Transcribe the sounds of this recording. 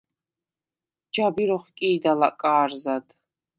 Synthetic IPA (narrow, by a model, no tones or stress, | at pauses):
d͡ʒabiɾɔχkʼiːd̪alakʼaːrzad̪